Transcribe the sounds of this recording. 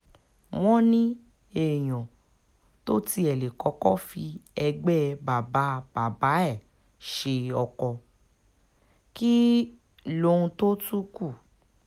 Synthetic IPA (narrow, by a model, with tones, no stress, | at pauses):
w̃ɔ̃˦nĩ˦ | e˨j̃ɔ̃˨ | to˦ti˧ɛ˨le˨kɔ˨˦kɔ˦fi˧ɛ˧ɡ͡bɛ˦ba˨ba˨˦b̥a˨ba˨˦ɛ˦˨ | ʃe˧ɔ˧kɔ˧ | ki˦ | lo˦ũ˧to˦tu˦ku˦˨